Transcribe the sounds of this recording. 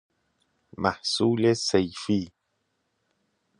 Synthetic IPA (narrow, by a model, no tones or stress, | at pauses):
maħsuːlesejfi